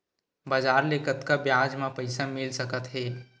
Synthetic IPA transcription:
baːd͡ʒaːɾleːkət̪kabjaːd͡ʒmãpəɪsamɪlsəkət̪ɦɛː

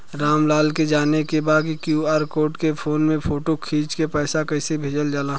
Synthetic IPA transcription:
ɾaːmlaːlked͡ʒaːnekebaːd̪kikjuːaːɾkoːʈkepʰoːnmẽpʰoːʈokʰiːt͡ʃkepɛːsakɛːsebʱeːd͡ʒəld͡ʒaːlaː

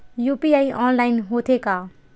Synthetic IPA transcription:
jupiaiɔnlaɪnɦot̪ʰeka

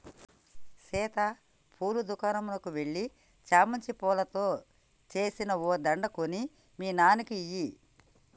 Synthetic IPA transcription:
sɛːt̪ɐ | pʰuːɾud̪ukaːnɐmulɐkuʋe̞ɭːi | t͡ʃaːmɐɲt͡ʃipɔːlɐt̪o̞ː | t͡ʃe̞ːsinɐod̪ɐɳɖɐkoni | miːnaːnikiiji

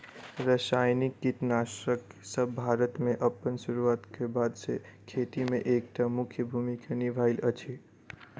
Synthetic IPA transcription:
ɾəsajnikːit̪nasəksəbːʱaːɾət̪mẽʔəpːənsuɾuaːt̪kebaːd̪sḛkʰet̪imẽʔeːk̚ʈ̪amʊkʰjəbʱumikanibʱaɪlət͡ʃʰi

